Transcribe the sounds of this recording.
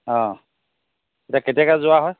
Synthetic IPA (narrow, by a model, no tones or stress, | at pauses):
ɔ̃ | etiaketijakazʊaɦɔj